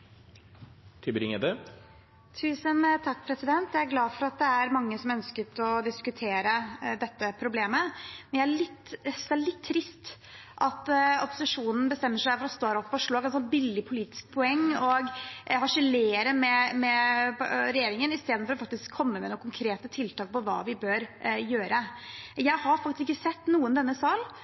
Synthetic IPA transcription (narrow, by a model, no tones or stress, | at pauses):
t̪ʰʏbɾɪŋɛd̪ə | t̪ʰʉːsənt̪ʰɑkːpʰɾɛsɪd̪ɛnt̪jæɪæɾɡlɑːfɔɾɑt̪̚d̪ɛæɾmɑŋːəsɔmœnskət̪ɔd̪ɪskʉt̪ʰeːɾəd̪ɛt̪ːəpʰɾʊbleːməmɛnjææɭɪt̪ːsæɭɪt̪ʰːɾɪst̪ | ʔɑt̪ɔpʊ̥sɪʂuːnn̩bəst̪ɛmːəʂæfɔɾɔst̪oːɾɔpːfɔʂɭoːɡɛsɔn̚bɪlːɪpʰʊliːt̪ɪ̥sk̚pʰʊɛŋːɔɡhɑʂɪleːɾəmɛmɛ | ɾɛjeːɾɪŋənɪst̪eːd̪nfɔɾɔfɑk̚t̪ɪskʰːɔmːəmɛnʊkːʊŋkʰɾeːt̪ət̪ʰɪlt̪ɑːk̚pʰɔʋɑ̰ːʋɪbøɾjøːɾʔəjæɪhɑɾfɑkt̪ɪsɪkːəsɛt̪ːnuːənd̪ɛnːəsɑːl